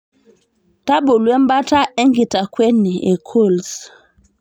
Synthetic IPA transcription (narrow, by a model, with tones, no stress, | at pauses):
ta˦ɓo˨lwɛ˦mba˦ta˦ʔɛ˦ŋɡi˨ta˨kwɛ˦ni˨e˨kʰo˦˨ls